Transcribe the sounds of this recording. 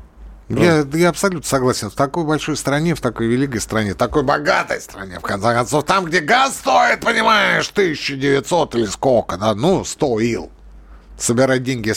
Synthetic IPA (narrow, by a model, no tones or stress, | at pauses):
jajaɐpsɐlʲut̪nəsɐɡlˠasʲɪnft̪ɐko̞jbɐlʲʂo̞jst̪ɾɐnʲeft̪ɐko̞jvʲɪlʲikəjst̪ɾɐnʲet̪ɐko̞jbɐɡat̪ə̰jst̪ɾɐ̰nʲḛfkɐnt̪sekɐnt̪so̞ft̪amɡdʲeɡasst̪o̞ɪt̪̚pənʲɪmajɪʂt̪ɨɪɕt͡ɕːɪdʲɪvʲɪt̪so̞t̪ɨlʲɪskokəd̪anust̪oilˠ | səbʲɪɾadʲenʲɡʲɪ